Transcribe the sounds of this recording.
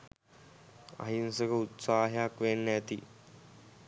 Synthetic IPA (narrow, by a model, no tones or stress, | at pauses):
a̰ɦinsəkəut̪saːɦjakʋenːəæt̪i